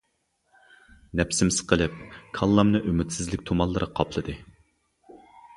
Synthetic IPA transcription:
nɛpsɪmsɨ̥qəlˠɨp̚kʰɑlˠːɑmnɨʔymyt̪sɪzlɪkʲt̪ʰomɑlˠːɨɾɨqʰɑpʰlˠɨd̪ɨ

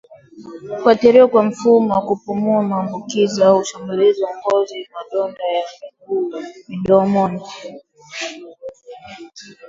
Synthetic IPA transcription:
ufwatiɾiɔkwam̩fumɔwakupumuamaːmbukiziuʃamuliziwɔŋɡɔzimaɗɔndajamikuːmiɗɔːmɔnɔ

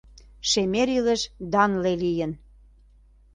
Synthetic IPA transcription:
ʃemeɾiləʃd̪ɑnlelijən

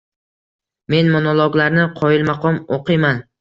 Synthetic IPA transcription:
me̞nmonolˠoɡlaɾnɪqʰɒjɪlmaqʰɒmoqʰɨjman

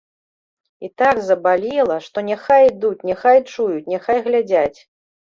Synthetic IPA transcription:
it̪aɡzɐbalʲilˠɐʂt̪ɔnʲɛxajd̪ut͡sʲnʲɛxajt͡ʂujut͡sʲnʲɛxajɣlʲad͡zʲat͡sʲ

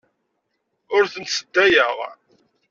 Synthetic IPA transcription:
ʊɾθənt̪səd̪ːæjəʁ

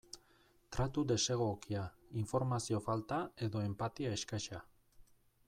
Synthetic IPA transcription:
t̪ɾʔat̪ud̪e̞se̞ɣ̞o̞kiaiɱfo̞ɾmasio̞falt̪ae̞ðo̞e̞mpat̪iae̞skajʃa

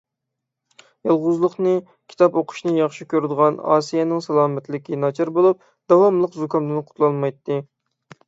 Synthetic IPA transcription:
jɑlˠʁʊzlˠəχnɨ | kʲʰi̥t̪ɑpoqʰʊ̥ʃnɨjɑχʃikʲøɾɪd̪əʁɑnɑ̰ːsijɛnɪŋsɑlˠɑːmɛt̪lɪkʲinɑt͡ʃʰɑɾbolˠup̚ | d̪̥ɑwɑmlˠəqzukɑnd̪ɪnqʰʊ̥t̪ʰlˠɑnmɑjt̪ːɨ

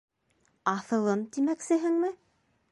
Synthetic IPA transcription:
ɑθɤ̆lˠɤmt̪imæksɘ̆ɦɘ̆ŋmɘ

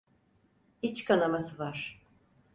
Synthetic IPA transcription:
it͡ʃkʰanamasɯvaɾ̥

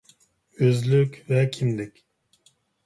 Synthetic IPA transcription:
øzlykʲvɛkʰimd̪ikʲ

